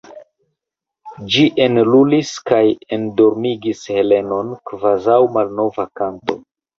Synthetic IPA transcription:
d͡ʒiʔe̞nluliskajendo̞ɾmiɡishe̞le̞no̞nkvazawmalno̞vakanto̞

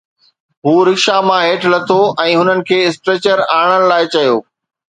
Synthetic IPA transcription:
ɦuːɾɪkʃamãɦeːʈʰlɐt̪ʰoɛ̃ːɦʊnənɪ̆kʰeːɪsʈɾeːt͡ɕəɾaːɽ̃ənɪ̆laːɪt͡ɕɐjoː

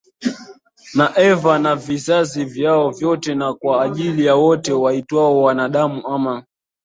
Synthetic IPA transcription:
naʔɛvanavizazivjaɔvjɔtɛnakwaːʄilijawɔtɛwaitwaɔwanaɗamuʔama

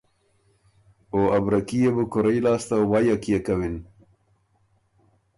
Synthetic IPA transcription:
oabɾakijebukʊɾajlɑːst̪awaːjakijekawin

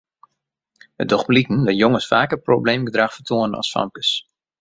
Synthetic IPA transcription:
ə̰dɔχblikən̩ʋɪjoŋəsfaːkəprobleːmɡədraxfərtʰoənənɑ̰sfa̰mkə̥s

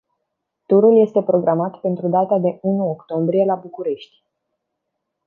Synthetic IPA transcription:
t̪uɾulje̞st̪e̞pɾo̞ɡɾamat̪pe̞nt̪ɾud̪at̪ad̪e̞unuokt̪o̞mbɾie̞labukuɾe̞ʃt̪ʲ

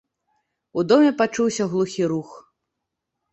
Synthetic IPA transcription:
ud̪ɔmʲɛpat͡ʂuwsʲɐɣlˠuxʲiɾux

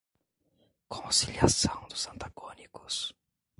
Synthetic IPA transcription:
kʰõsiliasɐ̃w̃d̪ʊzɐ̃nt̪aɡonikʊ̥s

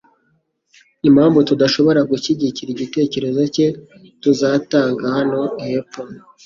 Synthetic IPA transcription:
imhaːmvutudaʃo̞βo̞ɾaɡuʃiɟiciɾiɟite̞ːce̞ɾe̞zo̞ce̞ | tuzaːtaːŋɡahano̞ihepo

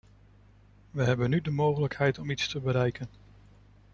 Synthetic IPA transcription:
ʋəɦɛbənydəmowχələkhɛjtɔmitstəbəɾɛjkən

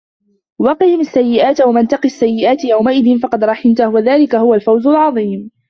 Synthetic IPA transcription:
wɑqɪhɪmasːajːɪʔaːt̪wamant̪ɑqiasːajːɪʔaːt̪jawmaʔɪðɪnfɑqɑd̪ɾˤɑħɪnt̪ahwaðaːlɪkahʊwalfawzʊlʕɑðˤiːm

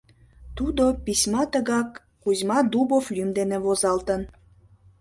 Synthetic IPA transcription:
t̪ud̪opisʲmɑt̪əɣɑkː | uzʲmɑd̪uboflʲymd̪enevozɑlt̪ən

